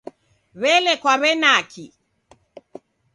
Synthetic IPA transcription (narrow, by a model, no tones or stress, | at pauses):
βɛlɛkwaβɛnaki